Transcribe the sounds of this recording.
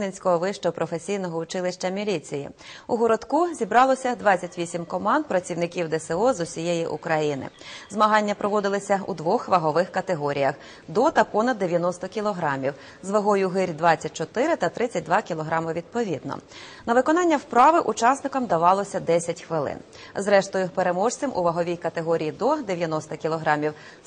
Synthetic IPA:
nenʲsʲkɔɦɔʋɪʃt͡ʃɔpɾɔfe̞sʲijnɔɦɔʊt͡ʃɪlˠɪʃt͡ʃɐmʲilʲit͡sʲijḭuɦɔɾɔd̪kuzʲibɾɑlˠɔsʲɐd̪ʋɑt͡sʲːɐtʲʋʲisʲimkɔmɑnd̪̚pɾɐt͡sʲiwnɪkʲiwd̪ɛseɔzʊsʲijejiʔṵkɾɐjinɪ̰zmɐɦɑnʲːɐpɾɔʋɔd̪ɪlˠɔsʲɐṵd̪ʋɔxʋɐɦɔʋɪxkɐt̪eɦɔɾʲijɐx | d̪ɔt̪ɐpɔnɐd̪ːeʋʲjɐnɔst̪ɔkʲilˠɔɦɾɑmʲiw | zʋɐɦɔjʊɦɪɾʲd̪ʋɑt͡sʲːɐt̚ʲt͡ʃɔt̪ɪɾɪt̪ɐt̪ɾɪt͡sʲɐt̚ʲd̪ʋɑkʲilˠɔɦɾɑmɔʋʲid̪̚pɔʋʲid̪̚nɔ̰nɐʋɪkɔnɑnʲːɐwpɾɑʋɪʔut͡ʃɑsnɪkɔmd̪ɐʋɑlˠɔsʲɐd̪ɛsʲɐtʲxʋɪlˠɪ̰n | zɾɛʃt̪ɔjʊpeɾemɔʃt͡sʲɪmʔʊʋɐɦɔʋʲijkɐt̪eɦɔɾʲijid̪ɔd̪eʋʲjɐnɔst̪ɐkʲilˠɔɦɾɑmʲiw

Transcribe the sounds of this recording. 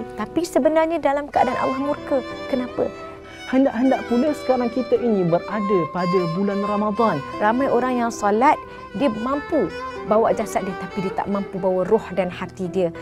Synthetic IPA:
t̪apisəbənarɲadalamkəa̰danʔa̰lahmurkakənãpə̰ | həndaʔɦəndaʔpuləsə̥kaɾaŋkit̪əʔinĩbərʔadəpadəbulanramad̪anramãjʔoɾaŋjaŋsalat̪̚ | diəmãmpubawaʔd͡ʒasat̪̚diət̪apidiət̪a̰ʔmãmpubawarɔhdanhat̪idiə

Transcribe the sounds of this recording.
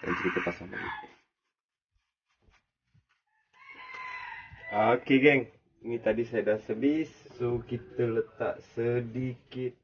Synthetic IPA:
a̰nsəkit̪əpasaŋla̰ɡḭ | akeɡɛŋ | nit̪adisajadasəbɪsːokit̪ələt̪a̰ʔsədikɪt̪̚

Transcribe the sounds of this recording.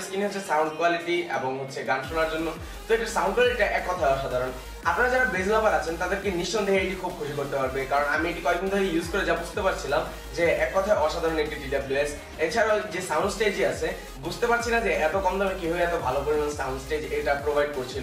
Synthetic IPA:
skiniɦotːt͡ʃʰesawɳɖkwaliʈiḛbɔŋɦot̪ːʃʰeɡanʃonaɾd͡ʒonːo | t̪oeʈasawɳɖkwaliɾeʈaʔɛkːɔt̪ʰaeɔʃad̪ʱaɾɔn | apnaɾad͡ʑaɾabed͡ʑlabaɾat͡ʃʰent̪ad̪eɾkiniʃːɔnd̪ʱeɦaeʈikʰubkʰuʃikoɾt̪epaɾbekaɾɔnamieʈikɔek̚d̪inid̪ʱoɾejjuzkoɾed͡ʑabud͡ʑʱi̥t̪epaɾt͡ɕʰilam | d͡ʑeɛkːɔt̪ʰaeɔʃad̪ʱaɾɔnek̚ʈiɖiɖabjues | et͡ɕʰaɾad͡ʑesawɳɖsʈed͡ʑiasʰe | bud͡ʑʱt̪epaɾt͡ɕʰinad͡ʑeɛt̪okɔnd̪ɔmekiɦojɛt̪obʱalopoɾimansaw̃ɳɖsʈed͡ʑeʈapɾobʱajɖkoɾt͡ɕʰil

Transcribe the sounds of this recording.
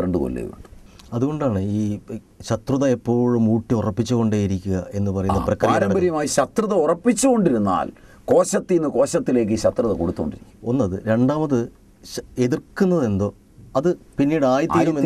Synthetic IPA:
ɾeɳɖɨko̰lːḛṵɳɖu | ɐðuɣo̞ɳɖaːɳɨiː | ɕɐt̪rɨðɐepːo̞ːɻumuːʈːiurɐpːit͡ɕːuɣo̞ɳɖaːjiɾikʲːuɣɐe̞nːɨpɐrɐjunːɐprɐkːɐɾɐaːɐːɐɾɐmbɐɾjɐmaːjiɕɐt̪rɨðɐurɐpːit͡ɕːuɣo̞ɳɖiɾunːa̰ːlko̞ːɕɐt̪ːinːɨko̞ːɕɐt̪ːile̞ːk̬ːɨiːɕɐt̪rɨðɐkoɽut̪ːukoɳɖiɾikʲːumonːɐðɨɾe̞ɳɖaːmɐðɨ | e̞ðirkːunːɐðe̞nd̪o̞ː | ɐðɨpinːijɽɨaːjɐt̪ːilume

